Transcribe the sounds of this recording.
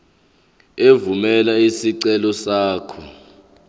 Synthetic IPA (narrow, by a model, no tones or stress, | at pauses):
evumɛlaisiǀɛlɔsaːkʰɔ